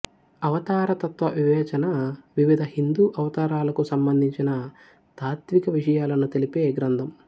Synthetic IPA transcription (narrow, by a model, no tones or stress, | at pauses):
ɐʋɐt̪aːɾɐt̪ɐt̪ʋɐʋiʋɛːt͡ʃɐnɐʋiʋid̪ʱɐhind̪uːʔɐʋɐt̪aːɾaːlɐkusɐmbɐnd̪ʱiɲt͡ʃinɐ | t̪aːɾt̪ʋikɐʋiʂɐjaːlɐnːut̪elipeːɡɾɐnd̪ʱɐm